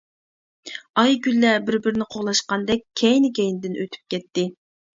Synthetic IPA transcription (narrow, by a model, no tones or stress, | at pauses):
ɑjɡʲylːɛbɪɾbɪɾnɪqʰoʁlˠɑʃqɑnd̪ɛkʲkʲʰːɛjnɪɡʲɛjnɪd̪ɪnʔøt̪ʰy̥p̚kʲɛt̪ːɪ